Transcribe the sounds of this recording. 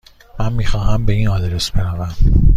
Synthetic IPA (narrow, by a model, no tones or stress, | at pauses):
mænmiːxɒːɦæmbe̞iːnɒːd̪ɾe̞sb̥e̞nævæm